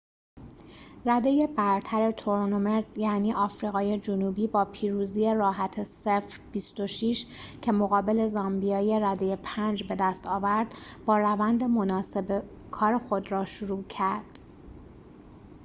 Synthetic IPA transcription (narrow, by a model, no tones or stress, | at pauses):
ræd̪e̞jebæɾt̪ʰæɾe̞t̪ʰoɾnomeɾd̪̥jæniːʔɒːfɾiːɣɒːje̞d͡ʒonuːbiːbɒːpʰiːɾuːziːje̞rɒːɦæt̪ʰesefɾb̥ist̪o̞ʃiːʃcʰe̞mo̞ɣɒːbe̞le̞zɒmbijɒːjeɾæd̪e̞jepʰænd͡ʒbe̞d̪æst̪ɒːvæɾd̪bɒːɾævænd̪e̞mo̞nɒːse̞be | kʰɒːɾe̞xo̞d̪ɾɒːʃuɾuːcʰæɾd̪̥